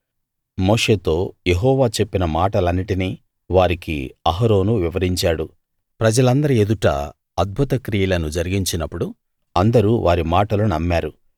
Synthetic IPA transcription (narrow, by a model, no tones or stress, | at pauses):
moːʂe̞ːt̪o̞ːje̞ɦɔːʋaːt͡ʃe̞pːinɐmaːʈɐlɐnːiʈini | ʋaːɾikḭɐɦɐɾo̞ːnuʋiʋɐɾiɲt͡ʃaːɽu | pɾɐd͡ʒɐlɐnd̪ɐɾied̪uʈɐ̰ | ɐd̪̚bʱut̪ɐkɾijɐlɐnud͡ʒɐɾiɡiɲt͡ʃinɐpːuɽu | ɐnd̪ɐɾuʋʔaːɾimaːʈɐlunɐmːaːɾu